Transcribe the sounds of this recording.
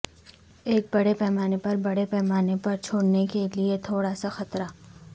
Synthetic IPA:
eːk̚bɐɽepɛɦːmaːnepɐɾbɐɽepɛːmaːnepɐɾt͡ʃʰoːɽnekeliet̪ʰoːɽasaxɐt̪ɾaː

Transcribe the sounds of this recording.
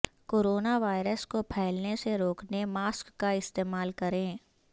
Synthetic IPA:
koːɾoːnaʋaːɪɾəskopʰɛːlneseɾoːknemaːskːaɪst̪eːmaːlkɐɾẽː

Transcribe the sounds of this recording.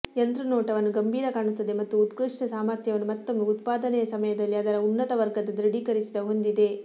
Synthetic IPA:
ent̪ɾɐnɔːʈɐʋɐnːuɡɐmbʱiːɾɐkaːɳut̪ːɐd̪e̞mɐt̪ːuːt̪kɾɨʂɳɐsaːmaːɾt̪ʰjɐʋɐnːumɐt̪ːomɡeut̪̚paːd̪ɐnɛjɐsɐmɐjɐd̪ɐlːiɐd̪ɐɾɐunːɐt̪ɐʋɐɾɡɐd̪ɐd̪ɾɐɽikɐɾisid̪ɐɦo̞nd̪id̪e̞

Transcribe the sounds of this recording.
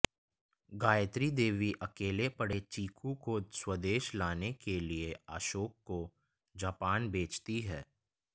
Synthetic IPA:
ɡaːjət̪ɾid̪eːʋiʔɐkeːlepɐɽet͡ʃiːkʰukoswəd̪eːʃlaːnekelieaːʃoːkːo | d͡ʒaːpaːnbeːt͡ʃt̪iɦɛː

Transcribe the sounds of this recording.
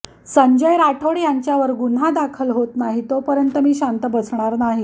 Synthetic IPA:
səɲd͡ʑəjɾaʈʰəɽjaɲt͡ɕjaʋəɾɡun̤ɦad̪akʰəlɦot̪naɦit̪opəɾjənt̪əmiːɕant̪əbət͡sɳ̃aɾnaɦi

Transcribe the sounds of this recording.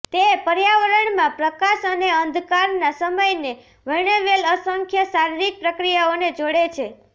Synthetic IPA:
t̪epəɾjaʋəɾəɳmãpɾəkaʃəneənd̪ʱkaɾnasəməjne | ʋəɳ̃eʋeləsəŋkʰjəsaɾiɾik̚pɾəkɾijaoned͡ʒoɽet͡ʃʰe

